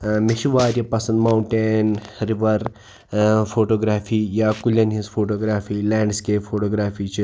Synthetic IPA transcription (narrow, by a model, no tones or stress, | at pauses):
miʃiʋaːɾjɐpɐsɐnd̪mawuɳʈeːnɾiʋɐɾ | fʰoːʈoːɡɾaːfʰiːjaːkuljɐnɦisfʰoːʈoːɡɾaːfʰiːlɛːɳɖskeːpfʰoːʈoːɡɾaːfiːt͡ʃi